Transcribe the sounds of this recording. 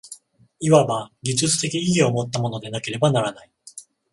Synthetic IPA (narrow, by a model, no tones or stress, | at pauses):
iβabaɡʲiʑɨt͡sɨ̥t̪e̞kʲiiio̞mo̞t̪ːamo̞no̞d̪e̞nake̞ɾe̞banaɾanai